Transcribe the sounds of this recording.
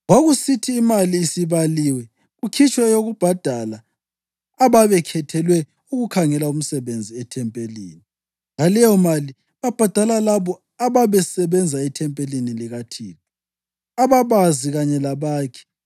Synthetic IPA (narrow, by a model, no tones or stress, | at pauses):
ɣwaɣusitʰiːmaliːsiβaliːwɛ | ɣukʰit͡ʃʼwɛjoɣub̥ʱad̥ʱalaː | βaβɛkʰɛtʰɛlwɛ | uɣukʰaŋɛlaum̩sɛβend͡zʱiɛtʰɛmpʼelḭːni | ɣalɛjɔmali | βab̥ʱad̥ʱalalaβɔ | aβaβɛsɛβɛnd͡zʱaɛtʰɛmpʼeliniliɣatʰḭːntʰʼɔ̥ | aβaβaziɣaɲɛlaβaːkʰɛ̥